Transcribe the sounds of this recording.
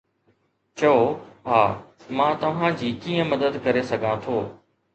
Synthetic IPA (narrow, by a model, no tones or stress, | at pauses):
t͡ɕɐoɦaː | mãːt̪ɐʋ̤ãd͡ʑiːkiːə̃mɐd̪əd̪kɐɾesɐɡʱãt̪ʰoː